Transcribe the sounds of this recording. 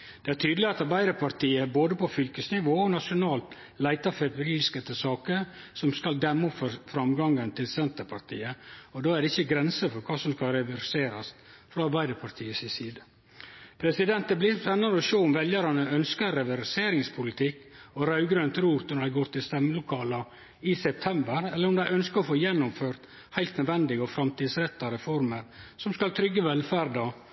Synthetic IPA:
d̪̥ɛæɾt̪ʰyːd̪əlɪɑt̪ɑɾbæɪd̪əɾpʰɑɾt̪iːəboːd̪əpɔfʏlkəsnɪʋoːɔnɑʂʊnɑːlt̪ | læɪt̪ɑfɛpɾiːskət̪ʰəsɑːkəɾ | sɔmskɑld̪ɛmːɔpfɔɾfɾɑmɡɑŋːənt̪ʰɪlsɛnt̪əɾpʰɑɾt̪ʰḭːəɔd̪oːæɾɖɛɪçəɡɾɛnsəfɔɾkʰɑːsɔmskɑɾɛʋæɾseːɾɑst̪ | fɾɑɑɾbæɪd̪əɾpʰɑɾt̪ʰiːəsɪsiːd̪ə | pʰɾɛsɪd̪ɛnt̪əblɪsɛnːɑɾəɔʃoːʊmʋɛljəɾɑnəœnskəɾɛʋæɾseːɾɪŋspʰʊlɪt̪ʰɪkːɔɾɑʉɡɾønt̪ɾuːt̪nɔɾæɪɡoːɾt̪ɪlst̪ɛmːəlʊkʰɑːlɑ | ɪsɛp̚t̪ʰɛmbəɾɛlːəɾʊmd̪æɪʔœnskəɔfoːjɛnːʊmføːɾt̪ | hæɪlt̪nœd̪ʋɛnd̪ɪɡəɔfɾɑmt̪iːd̪sɾɛt̪ːɑɾɛfɔɾməɾsɔmskɑlt̪ʰɾʏɡːəʋɛlfæɾdɑ

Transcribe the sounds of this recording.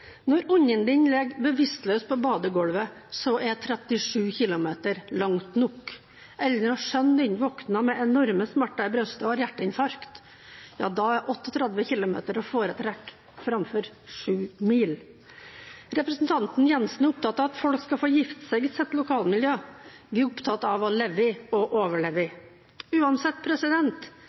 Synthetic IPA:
nɔɾʊɲːənd̪ɪnlɛɡbəʋɪst̪lœʏs̚pʰɔbɑːd̪əɡɔlʋə | sɔʔɛt̪ʰɾɛt̪ɪʂʉːçɪlʊmeːt̪əɾlɑŋt̪nʊkː | ʔɛlːənɑʂœnd̪ɛnʋɔknɑmɛɛnɔɾməsmæʈːɑɪbɾœst̪əhɑɾjæʈːəɪnfɑɾkt̪ | jɑ̰ːd̪ɑæɾʔɔt̪ːɔt̪ʰɾɛd̪ʋəçɪlʊmḛːt̪əɾɔfoːɾət̪ʰɾɛkː | fɾɑmfɔɾ | ʂʉːmiːl | ɾɛpɾəsn̩t̪ʰɑnt̪n̩jɛnsn̩ʊp̚t̪ɑt̪ːɑɑt̪fɔlkskɑfoːjɪft̪sɛɪɡɪsɛt̪ːlʊkʰɑːlmɪljøː | ʋɪʊpt̪ʰɑt̪ːɑʋɔlɛʋɪɔʔoːʋəɭeːʋɪ | ʉːɑnsɛt̪ːpʰɾɛsɪd̪ɛnt̪

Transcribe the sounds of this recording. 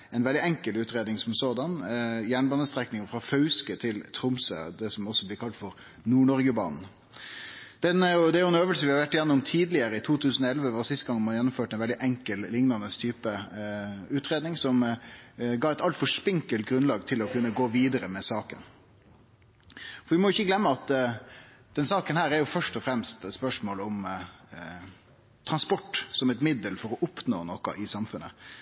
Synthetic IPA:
ɛnʋɛld̪ɪɛŋkəlʉːt̪ɾeːd̪nɪŋsɔmsoːd̪ɑnjæːɳbɑːnəst̪ɾɛknɪŋəfɾɑfœʉskət̪ʰɪlt̪ʰɾʊmsə̰d̪ɛsɔmɔsːɔblɪkʰɑlt̪fɔɾ | nuːɳɔɾɡəbɑ̰ːnn̩ | d̪̥ɛnæɾjʊd̪ɛæɾjʊɛnøːʋəlsəʋɪhɑɾʋæʈːɪjɛnːʊmʊmt̪ʰiːd̪lɪəɾəɪt̪ʰuːt̪ʰʉːsn̩ɔɛlʋəʋɑːsɪst̪əɡɑŋːmɑnjɛnːʊmføːʈɛɪnʋɛld̪ɪʔɛŋkəllɪŋnɑnəst̪ʰyːpə | ʉːt̪ɾeːd̪nɪŋsɔm | ɡɑːɛt̪ɑlt̪fɔʂpɪŋkəlt̪̚ɡɾʉnlɑːɡt̪ʰɪlɔkʉnːəɡoːʋiːd̪əɾəmɛsɑːkə̰n | fɔɾʋɪmɔjʊɪçːəɡlɛmːəɑt̪ | d̪̥ɛnsɑːkənhæːɾɛɾjʊfœʂʈɔfɾɛmst̪spœʂmoːlɔm | t̪ʰɾɑnspɔʈːsɔmɛt̪mɪd̪əlfɔɾɔʔʊpno̰ːnɔkɑ̰ʔɪsɑmfʉnːə̰

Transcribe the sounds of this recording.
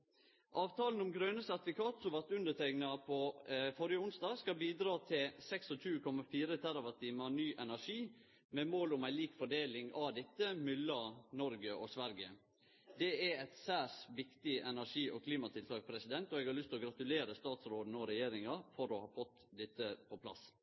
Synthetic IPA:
ʔɑːʋt̪ʰɑːln̩ʊmɡɾœʉnəsæt̪fɪkʰɑːt̪sɔmʋɑɾt̪ʉnd̪ət̪ʰæknɑpʰɔfɔɾɪjəʊnsd̪ɑːɡskɑbiːd̪ɾɑːt̪ʰɪlsɛksɔt͡ʃʰʉːkʰɔmɑfiːɾət̪ʰæɾɑʋɑt̪ʰiːmɑnyːʔɛnæʂiː | mɛmoːlʊmæɪliːkfɔɖeːlɪŋɑʋd̪ɛt̪ːəmʏlːɑnɔɾɡəʔɔsʋæɾɡəə | d̪ɛæɾæɪt̪sæːsʋɪkt̪ɪʔɛnæʂiːʔɔ̰kʰliːmɑt̪ʰɪlt̪ʰɑːk̚pʰɾɛsɪd̪ɛnt̪ɔɛɡhɑɾɭʏst̪ʰɪlɔɡɾɑt̪ʉleːɾəst̪ɑːt̪sɾoːd̪n̩ɔɾɛjeːɾɪŋɑfɔɾɔhɑːfɔt̪ːd̪ɛt̪ːəpʰɔpʰlɑ̰s

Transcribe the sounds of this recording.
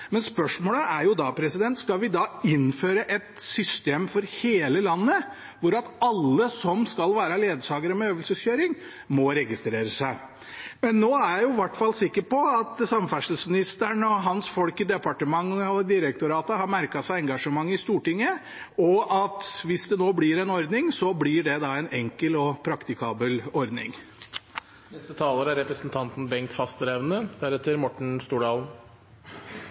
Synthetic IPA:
mɛnspœʂmoːləʔæɾjʊd̪ɑpʰɾɛsɪd̪ɛnt̪skɑlʋɪd̪ɑɪnføːɾəʔɛt̪sʏst̪eːmfɔɾheːləlɑnːə | ʋʊɾɑt̪ɑlːəsɔmskɑlʋæːɾəleːd̪əʂɑːɡəɾəmɛøːʋəlsəsçøːɾɪŋ | mɔɾɛɡɪst̪ɾeːɾəsæɪ | mɛnːoːæjjʊʋæʈːfɑlːsɪkːəɾpɔɑt̪sɑmfæʂəlsmɪnɪst̪əɳɔɦɑnsfɔlkəd̪ɛpɑʈəmɑŋːɔd̪ɪɾək̚t̪ʊɾɑːt̪əɦɑɾmæɾkɑsæɪɛŋɡɑʂəmɑŋːɪst̪uːʈɪŋːə | ɔʔɑt̪ʋɪsd̪ɛnoːblɪɾɛnɔɾd̪nɪŋsɔblɪɖɛd̪ɑɛnɛŋkəlɔpʰɾɑkt̪ɪkʰɑːbəlɔɾd̪nɪ̰ŋ | nɛst̪ət̪ʰɑːləɾəæɾɛpɾəsnt̪ʰɑnt̪n̩bɛŋt̪fɑst̪əɾɛʋnəhæɾɛt̪ːəɾmɔʈɳ̩st̪uːɖɑːln̩

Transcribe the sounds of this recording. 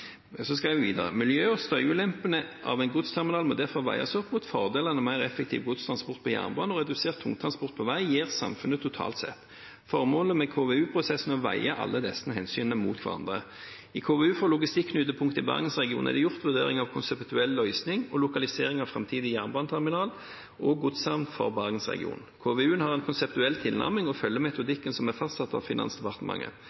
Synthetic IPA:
sɔskɑʋɪʋɪʋiːd̪ɑʁə̰mɪljøːɔst̪œʏʉlɛmpənəʔɑ̰ʋɛɪnɡʊt̪st̪ʰæʁmɪnɑːlmɔd̪æʁfɔʁʋæ̰ɪɑ̰sɔpːmʊt̪fɔʁd̪eːlənəmæɪɾɛfːɛk̚t̪ʰḭːʋɡʊt̪st̪ʰɾɑnspɔʁt̪̚pʰɔjæ̰ːʁnbɑːnɔʁɛd̪ʉseːʁt̪ʰːʊŋt̪ʰɾʁɑnspɔʁt̪̚pʰɔʋæɪjiːʁsɑ̰mfʉnət̪ʰʊt̪ʰɑ̰ːlt̪sɛ̰t̪ː | fɔʁmoːləmɛkʰoːʋeːʉːpʰʁʊsɛsn̩ɔʋæɪəɑʔɑ̰lːəd̪ɛsnəɦɛnsyːnəmṵːt̪kʰʋɑ̰ɾɑ̰nd̪ʁə | ikʰoːʋɛʉːfoːʁlʊɡɪst̪ɪkːʰnʉːt̪ːəpʰʊŋkt̪əɪbɑ̰ʁɡənsʁɛɡɪṵːnɛ̰d̪ɛjʊʁt̪ʋʉʁd̪eːʁɪ̰ŋɑʋkʰʊnsɛpt̪ʉɛlːœʏsnɪŋɔlʊkɑlɪseːʁɪŋɑʋfʁɑ̰mt̪ʰiːd̪ɪjæːʁnbɑːnt̪ʰæʁmɪnɑːl | ɔɡʊd̪sɑmnfɔ̰ʁbɑʁɡənsʁɛ̰ɡɪ̰ṵːnkʰoːʋeʉːənhɑʁɛnkʰʊnsɛp̚t̪ʉɛlt̪ʰɪlnɑ̰ʁmɪŋɔfœlːəmɛt̪ʊd̪ɪkːənsɔmæʁfɑst̪sɑt̪ːɑ̰ʋfɪnɑ̰nsd̪ɛpɑʁt̪əmɑ̰ŋʔə̰

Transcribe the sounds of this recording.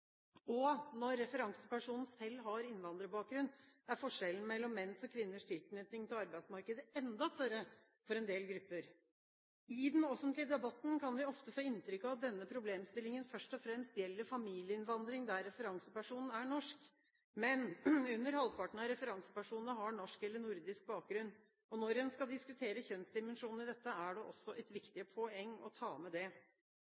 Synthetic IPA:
ɔnɔɾːɛfəɾɑŋsəpæʂuːnn̩sɛlːɦɑɾɪnʋɑnd̪ɾəbɑːk̚ɡɾʉnːæɾfɔʂɛln̩mɛlːɔmːɛnsɔkʰʋɪnːəʂt̪ʰɪlt̪neːt̪ɪŋt̪ʰɪlɑɾbæɪsmɑɾkəd̪əɛnd̪ɑst̪œɾə | fɔɾɛnd̪eːlɡɾʉpːəɾ | ɪd̪ɛnɔfənt̪lɪəd̪ɛbɑt̪n̩kʰɑnʋɪɔft̪əfoːɪnt̪ɾʏkːɑʋɑt̪̚d̪ɛnːəpʰɾʊbleːmst̪ɪlɪŋənfœʂʈɔfɾɛmst̪jɛlːəɾfɑmiːlɪəɪnʋɑnd̪ɾɪŋd̪æɾːɛfəɾɑŋsəpæʂuːnn̩æɳɔʂk | mɛnʉnːəɾhɑlpʰɑʈɳ̩ɑɾɛfəɾɑŋsə̥pæʂuːnnəɦɑɳɔʂkɛlːəɳʊɾd̪ɪsk̚bɑːk̚ɡɾʉnː | ɔnɔɾɛnskɑld̪ɪskʉt̪ʰeːɾəçœnsd̪ɪmɛnʂuːnn̩ɪd̪ɛt̪ːəæɖɛʔɔsːɔʔɛt̪ʋɪkt̪ɪəpʰɔɛŋːɔ̰t̪ʰɑːmɛd̪ɛ

